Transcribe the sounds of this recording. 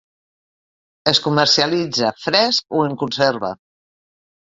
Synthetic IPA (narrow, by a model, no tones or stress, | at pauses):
əskumərsialid͡zəfɾɛskoeŋkunseɾβə̰